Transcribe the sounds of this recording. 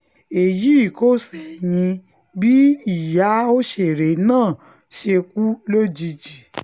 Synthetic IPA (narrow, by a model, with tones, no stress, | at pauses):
e˨ji˨˦i˦˨ko˦sɛ˨j̃ĩ˧ | bi˦i˦˨ja˨˦o˦ʃe˨ɾe˨˦nãː˦˨ | ʃe˧k̚u˦lo˦d͡ʒi˧d͡ʒi˨